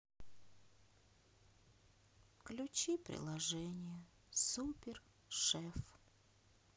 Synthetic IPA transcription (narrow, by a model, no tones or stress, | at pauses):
klʲʉt͡ɕipɾʲɪ̰lˠɐʐɛnʲɪjə | supʲɪr | ʂɛf